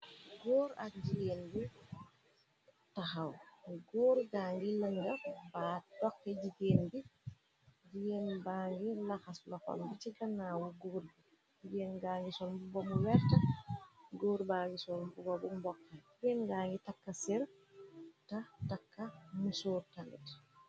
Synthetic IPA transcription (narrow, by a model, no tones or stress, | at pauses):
ɡoːɾa̰k̚ɟiɡeːnbi | taxawɡoːɾɡaːŋɡiləŋɡəbaːdɔkːɛɟiɡeːnbi | d͡ʒiɡenbaːŋɡilaxaslɔxɔ̰mbit͡ʃiɡɐnːaːwɔɡoːɾbi | d͡ʒiɡeːnɡaŋɡisɔlmbubɔmuwɛɾtɐ | ɡoːɾbaːŋɡisɔlmbubɔbumbɔkːɛiɡenɡaːŋɡitakːasɛɾ | tatakːamusoːɾtalḭt